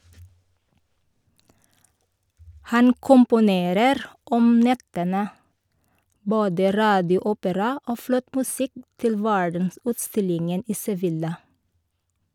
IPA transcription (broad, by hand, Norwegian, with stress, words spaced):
ˈhɑn kʊmpʊˈneːɾəɾ ˈɔm ˈnɛtənə ˈboːdə ˈɾɑːdɪʊˌuːpəɾɑ ˈoː ˈflɔt mʉˈsɪk ˈtɪl ˈʋæɹdənˌsʉːtˌstɪlɪŋən ˈiː sɛˈʋɪlɑ